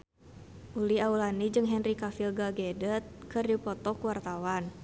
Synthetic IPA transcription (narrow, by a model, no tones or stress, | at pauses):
ʔuliaulanid͡ʒɨŋɦɛnrikafilɡaɡɛdət̪̚kɨrdipɔt̪ɔkuwart̪awan